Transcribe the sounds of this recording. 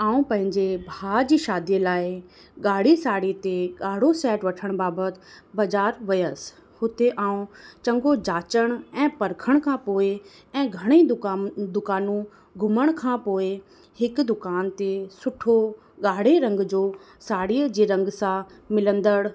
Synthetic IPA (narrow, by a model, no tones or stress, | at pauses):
aːũpɐ̃ɦɪ̃ɲd͡ʑebʱaːd͡ʑiːʃaːd̪ijəlaːɪ | ɠaːɽ̤isaːɽit̪eɠaːɽ̤osɛːʈʋɐʈʰəɽ̃baːbət̪̆bɐd͡ʑaːɾʋɐjəs | hʊt̪eʔaːũt͡ɕɐ̃ŋɡod͡ʑaːt͡ɕəɽ̃ɛ̃ːpɐɾkʰəɽ̃kʰãːpoːɪ | ɛ̃ːɡʱɐɽ̃id̪ʊkaːnũ | ɡʱʊməɽ̃kʰãːpoːe | hɪkd̪ʊkaːnt̪esʊʈʰo | ɡaːɽ̤eɾɐ̃ŋɡd͡ʑoː | saːɽiəd͡ʑiːɾɐ̃ŋɡsãmɪlə̃nd̪əɽ